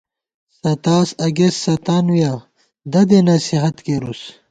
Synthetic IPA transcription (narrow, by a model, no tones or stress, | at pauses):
sɐt̪aːsɐɡesːɐt̪aːnuja | d̪ɐd̪enɐsiɦɐt̪keɾus